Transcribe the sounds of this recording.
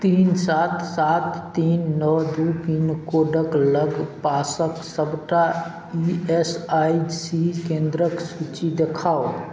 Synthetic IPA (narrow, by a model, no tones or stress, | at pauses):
t̪iːnsat̪ʰsat̪ːinːɔd̪upinkoɖəkləɡpasəksəbʈa | iesaid͡ʒsikẽnd̪ɾəksut͡ʃid̪ekʰao